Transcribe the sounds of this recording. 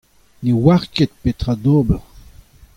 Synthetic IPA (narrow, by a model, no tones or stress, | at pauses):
newaʁket̪̚pet̪ʁad̪oːbəʁ